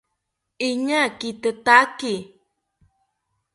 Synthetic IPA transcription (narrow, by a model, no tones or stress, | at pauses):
iɲakit̪ət̪aki